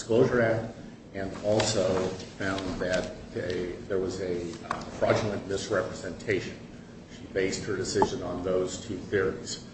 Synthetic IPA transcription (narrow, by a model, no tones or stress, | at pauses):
skloʊʒə˞æk̚ | ɨ̃nɔlˠsoʊfãʊ̃nðɨt̪̚ | ɨðə˞wʌzɨfɹɑd͡ʒl̩ˠə̃nmɪsɹɛpɹɨzɛ̃ntʰeɪʃɨ̃n | ʃibeɪst̚hə˞dɨsɪʒɨ̃nə̃nðoʊz̥tʰʉθɪɹiz̥